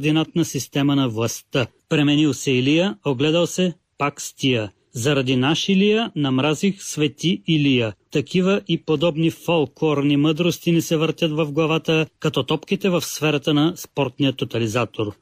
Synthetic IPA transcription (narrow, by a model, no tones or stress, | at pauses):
d̪inat̪nɐsist̪ɛmɐnɐvlˠɐst̪ə | pɾɛmɛnilˠsɛilijəoɡlɛd̪ɐlˠsɛ | pakst̪ijə | zɐɾɐd̪inaʃilijənɐmɾazixsvɛt̪iilijət̪ɐkʰivəʔipod̪ɔbnifolˠkɔɾniməd̪ɾost̪inɛsɛvəɾt̪ʲət̪vɐvɡlˠɐvat̪əkɐt̪ɔt̪ɔpkit̪ɛvɐfsfɛɾɐt̪ənɐspɔɾt̪nijət̪ot̪ɐlizat̪oɾ